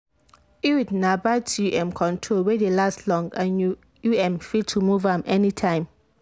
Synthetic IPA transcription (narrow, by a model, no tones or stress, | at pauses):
iwidnãbatʰuʔɛ̃mkʰɔ̃ntʰɹolwedelastlɔ̃ŋɡãnju | juɛ̃mfitʰːumuvãmʔɛnitʰãɪ̃m